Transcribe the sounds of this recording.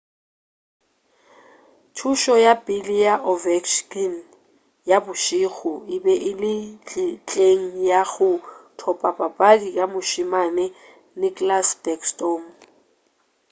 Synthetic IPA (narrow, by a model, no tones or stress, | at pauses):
t͡ʃʰuʃɔjapʼɪlijaʔɔvɛkʃkin | jabʊʃiɣɔɪbɛʔɪlɪt͡ɬt͡ɬʼeŋ̩jaɣʊtʰɔpʼapʼapʼaɡikʼamʊʃɪmanɛ | nɪkʼlasbɛkstoːm